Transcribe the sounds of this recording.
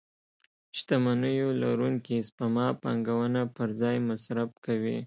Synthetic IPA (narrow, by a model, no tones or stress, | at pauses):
ʃt̪amanəjola̰ɾuŋkispamɑpɑ̰ŋɡawənapəɾd͡zɑjmasɾab̚kawḭ